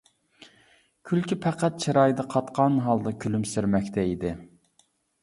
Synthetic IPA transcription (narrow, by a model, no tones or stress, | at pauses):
kʲʰylkʲipʰɛqæt̪̚t͡ʃʰiɾɑjd̪ɑqʰɑt̪qʰɑnɦɑlˠd̪ɑkʲʰylymsɪɾmɛkʲt̪ʰɛid̪ɪ